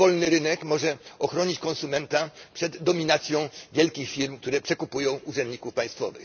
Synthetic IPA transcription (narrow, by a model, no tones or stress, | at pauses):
vɔlnɘɾɘnɛkmɔʐɛɔxɾɔɲit͡ɕkɔnsumɛnt̪apʂɛd̪ːɔmʲinat̪sʲjɔ̃w̃vʲjɛlkʲixfʲiɾmk̚t̪uɾɛpʂɛkupujɔ̃w̃uʐɛnd̪ɲikufpaj̃st̪fɔ̰vɘ̰x